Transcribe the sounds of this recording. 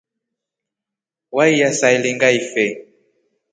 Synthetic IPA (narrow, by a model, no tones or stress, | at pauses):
waijasailiŋɡaifɛ